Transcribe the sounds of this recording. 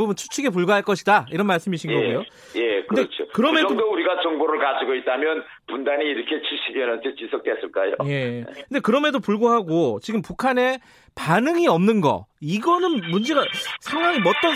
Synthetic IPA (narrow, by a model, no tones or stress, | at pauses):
ubɯnt͡ɕʰu̥t͡ɕʰuɡe̞p̬uɭɡaɦaɭk͈ʌɕʰidaiɾʌnmaɭs͈ɯmiɕʰinɡʌɡujo | jekɯndet͡ɕʰokɯɾʌmeʌŋdouɾiɡat͡ɕʌŋboɾɯɭkad͡ʑiɡoit̚t͈amjʌn | pundaniːɾʌkʰe̞t͡ɕʰiɕʰidenantʰet͡ɕisʰʌk̚t͈wes͈ɯɭk͈ajo̰je̞kɯndekɯɾʌmedopuɭɡoɦaɡot͡ɕiɡɯmpukʰane̞ | panɯŋiʌmnɯnɡʌ̰iɡʌnɯnmund͡ʑe̞ɡasʰaŋwaŋimʌt̚t͈ʌ